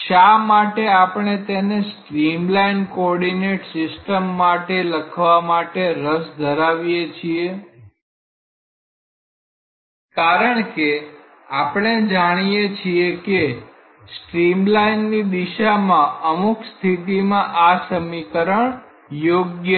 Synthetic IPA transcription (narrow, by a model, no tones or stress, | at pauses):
ʃamaʈeapəɳ̃et̪enesʈɾimlainkoɔɾɖineʈsɪsʈəmːaʈeləkʰʋamaʈeɾəsd̪ʱəɾaʋijet͡ʃʰie | kaɾəɳke | apɳ̃ed͡ʒaɽ̃ijet͡ʃʰieke | sʈɾimlainːid̪iʃamãəmukst̪ʰit̪imãʔasəmikəɾəɳ | joɡjə